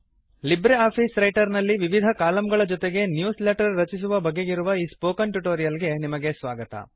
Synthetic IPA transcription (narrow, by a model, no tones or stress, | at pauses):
libɾeaːpʰiːsɾɐjʈɐɾnɐlːiʋiʋid̪ʱɐkaːlɐmɡɐɭɐd͡ʒɔt̪eɡe̞njuːsleʈɐɾːɐt͡ʃis̬uʋɐbɐɡːeɡiɾuʋɐiːspoːkɐnʈuʈoːɾijɐlɡe̞nimɐɡe̞sʋaːɡɐt̪ɐ̰